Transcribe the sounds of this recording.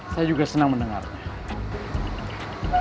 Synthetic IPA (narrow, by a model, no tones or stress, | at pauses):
sad͡ʒuɡasənaŋmənəŋa̰ɾa̰